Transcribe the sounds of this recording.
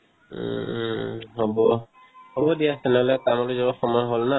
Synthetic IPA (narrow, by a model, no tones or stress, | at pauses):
ɦobɔ | hobɔdijasɛnɛɦɔlɛkamɔluzɔbɔxɔmɔjɦolna